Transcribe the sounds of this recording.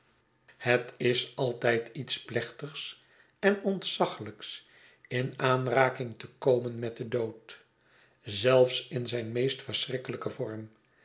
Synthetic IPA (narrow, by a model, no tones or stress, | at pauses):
hətɪsɑlˠtɛjtitsplɛχtəχs | ɛnɔntsɑχələks | ɪnaːnraːkɪŋtəkowmənmɛt̚dədowt | zɛlˠfsɪnzɛjnmejstfəɹsrɪkələkəvɔɹm